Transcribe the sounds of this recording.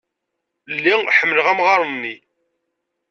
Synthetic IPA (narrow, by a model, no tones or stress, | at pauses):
lːiħəmːələʁæmʁɑɾˤənːi